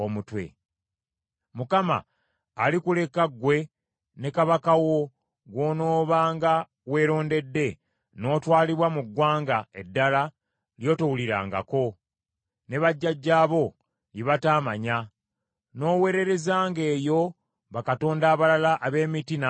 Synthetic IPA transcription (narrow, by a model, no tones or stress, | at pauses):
omutwe̞̰ | mukama̰ː | likule̞kaɡwe̞ | ne̞kaβakawo̞ | ɡwoːno̞ːβaːŋɡa | we̞ːɾo̞ːnde̞dːe̞ | no̞ːtwaːliβwamuɡwaːŋɡae̞dːala | ljo̞ːtowuliɾa̰ːŋɡa̰ko̞ | ne̞βaɟːaɟːaːβo̞ | jiβataːmaɲa | no̞ːwe̞ːɾe̞ɾe̞zaːŋɡe̞ːjo̞ | βakato̞ːndaːβalalaʔːβe̞ːmitina